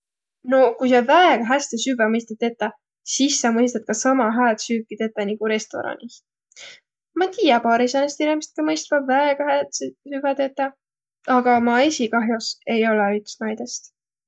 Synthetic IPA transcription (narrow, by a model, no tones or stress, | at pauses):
no̞kujs̬ɑvæeɡ̥ɑɦæst̪esyvæmɤjst̪ɑt̪ːet̪ːˑɑ | sisːɑmɤjs̬t̪ɑt̪̚kɑsɑmɑɦæːt̪syːkːˑit̪et̪ːˑɑniɡ̥uɾe̞st̪o̞̰ɾɑ̰nis | mɑt̪iːjɑpɑːɾisɑnest̪inimist̪̚kɑmɤjst̪vɑvæeɡ̥ɑhæt̪sesyvɛt̪et̪ːˑɑ | ɑɡ̥ɑmɑe̞sʲikɑɦjose̞jo̞leyt̪snɑjd̪̥e̞st̪